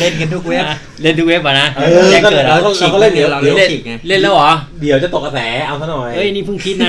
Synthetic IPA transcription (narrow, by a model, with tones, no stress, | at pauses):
le˥˩nkə˧nt̪ʰu˦˥k̚we˦˥˩ | le˥˩nt̪ʰu˦˥k̚we˦˥p̚ʔaː˨˩na˦˥˧ɯː˧e˧˦˥kɔː˥˩kɤ˨˩a˧˥˧kʰɔ˥˩lːkʰa˥˩le˥˩˨di˩˦˩e˥˩i˨˩k̚a˧˩le˥˩nlɛː˦˥˩wʔɔː˩˦ | di˩˦wt͡ɕa˨˩t̪o˨˩k̚ʰːa˧sɛː˩˦ʔa˧wt̪ʰa˥˩nɔ˨˩jəː˧˥˩jʔa˧nːiː˦˥˩pʰɯ˥˩ŋkʰi˦˥t̪na˦˥